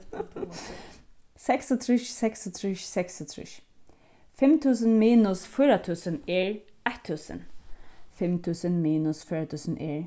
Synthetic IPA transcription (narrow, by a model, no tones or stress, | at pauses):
sɛksət̪ʰɾɪʃsɛksət̪ʰɾɪʃsɛksət̪ʰɾɪ̰ʃ | fɛmt̪ʰʉːsənmiːnʊsfyːɾat̪ʰʉːsəneːɹ | ʔɛht̪ʰːʉːsə̰nfɛmt̪ʰʉːsənmiːnʊsfyːɹat̪ʰʉːsənʔeːɹ